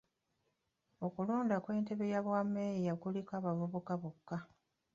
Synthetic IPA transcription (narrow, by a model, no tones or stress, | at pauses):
o̞kuluːndakwe̞ːnte̞βe̞jaβwamːejijakulikaːβavuβokaβukːa